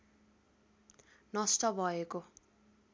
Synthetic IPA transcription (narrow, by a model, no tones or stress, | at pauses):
nʌst̪ʌbʱʌeko